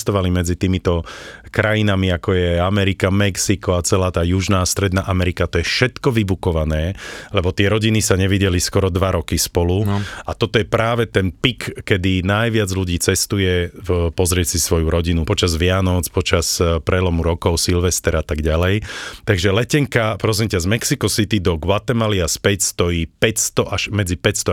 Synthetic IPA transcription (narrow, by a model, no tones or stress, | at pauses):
st̪ɔʋalimɛd͡zit̪iːmit̪ɔkɾajinamiakɔjɛamɛɾikamɛksikɔat͡sɛlaːt̪aːjuʒnaːst̪ɾɛd̪naːʔamɛɾikat̪ɔjɛfʃɛt̪kɔʋibukɔʋanɛːlɛbɔt̪ɪɛɾɔɟinisaɲɛʋiɟɛliskɔɾɔd̪ʋaɾɔkispɔluat̪ɔt̪ɔjɛpɾaːʋɛt̪ɛnpikːɛd̪inajʋɪad͡zluɟiːt͡sɛst̪ujɛpɔzɾɪɛsisʋɔjuɾɔɟinupɔt͡ʃazʋɪanɔt͡spɔt͡ʃaspɾɛlɔmuɾɔkɔʊsilʋɛst̪ɛɾat̪aɡɟalɛjt̪aɡʒɛlɛcɛŋkapɾɔzɛɲcazmɛksikɔsit̪id̪ɔɡwat̪ɛmaliaspɛcst̪ɔjiːpɛcst̪ɔʔaʃmɛd͡zipɛcst̪ɔ